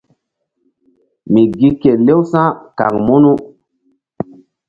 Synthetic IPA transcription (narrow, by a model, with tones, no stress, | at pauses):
mi˨ɡi˦ke˨le˦wsã˦ka̰˨kmu˦nu˦